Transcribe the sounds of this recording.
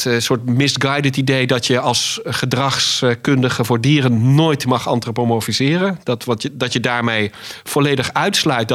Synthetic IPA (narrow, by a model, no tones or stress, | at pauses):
tsʊːɹtmɪsɡɑjdətidejdɑtjəɑlˠsχədrɑχskɵndəχəvʊːɹdiːrənnoːjtmɑχɑ̰ntrəpomofizɪːrəndɑtʋɑdɑtjədaːɹmejfɔlejdəχœɥtslœɥt̚d